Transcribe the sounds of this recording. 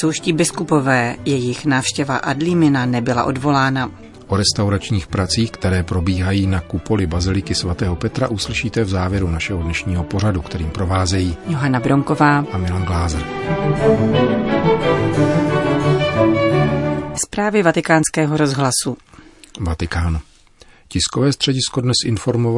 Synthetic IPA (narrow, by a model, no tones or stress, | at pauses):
sowʃciːbɪskupo̞vɛːjɛjɪxnaːfʃcɛvaʔadlimɪnanɛbɪla̰ʔo̞dvo̞laːna | ʔo̞ɾɛst̪awɾat͡ʃɲiːxpɾat͡siːxkt̪ɛɾɛːpɾo̞biːɦajiːnakupo̞lɪbazɪlɪkɪsvat̪ɛːɦo̞pɛt̪ɾa̰ʔuslɪʃiːt̪ɛvzaːvjɛɾunaʃɛɦodnɛʃɲiːɦo̞po̞ɾ̝adukt̪ɛɾiːmpɾo̞vaːzɛjiːjoɦanabɾo̞ŋkovaːʔamɪlanɡlaːzɾ | spɾaːvjɛvat̪ɪkaːnskɛːɦoɾo̞zɦlasuvat̪ɪkaːn | cɪskovɛːst̪r̥ɛɟɪsko̞dnɛsʔɪnfo̞ɾmov